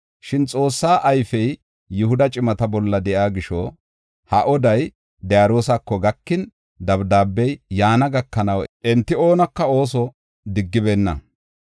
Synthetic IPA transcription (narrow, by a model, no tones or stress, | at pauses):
ʃɪnt͡sʼo̞ːsːaːʔɐjfɛj | jʊɦʊd̪ɐt͡ʃʼɪmɐt̪ɐbɔlːɐd̪ɛʔjaːɡɪʃɔ̰ | hɐʔɔd̪ɐj | d̪ɛjaːɾo̞ːsɐkːɔɡɐkːɪn | d̪ɐbd̪aːbːɛjjaːnɐɡɐkːɐnɐwʔɛnt̪ːɪo̞ːnɐkːɐo̞ːs̬ɔ | d̪ɪɡːɪbeːnːɐ̰